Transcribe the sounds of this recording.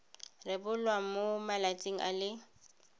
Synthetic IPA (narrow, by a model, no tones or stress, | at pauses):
rɪbʊlwamomalat͡sʼɪŋ̩ʔa̰lɪ